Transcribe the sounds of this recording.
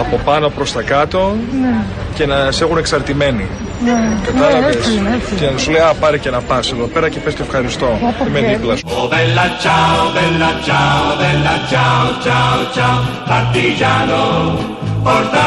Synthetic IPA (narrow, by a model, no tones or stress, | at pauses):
ɐpo̞pɐno̞pɾo̞st̪ɐkɐt̪o̞ne | ce̞nɐsexune̞ksɐɾt̪ime̞ni | nekɐt̪ɐlɐesecenɐsulejɐpɐɾice̞nɐpɐse̞ðo̞pe̞ɾɐce̞pescefxɐɾist̪o̞pimeðiplɐsoðelat͡ʃaoðelɐt͡ʃaoðelɐt͡ʃaot͡ʃaot͡ʃa | ɐɾt̪iʝano | oɾt̪